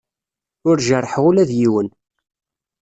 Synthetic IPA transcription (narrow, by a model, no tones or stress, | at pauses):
ʊɾʒərˤːħʁulæðjiwən